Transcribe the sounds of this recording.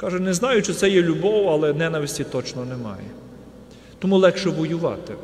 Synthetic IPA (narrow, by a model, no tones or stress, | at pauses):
kɑʒɛnɛznɑjʊt͡ʃt͡ʃɔt̪sɛjɛlʲʊbɔwɐlˠɛnɛnɐʋʲɪsʲtʲit̪ɔt͡ʃnɔnɛmɑ̰jɛ̰ | t̪ɔmulˠɛkʃɛʋɔjʊʋɑ̰t̪ɪ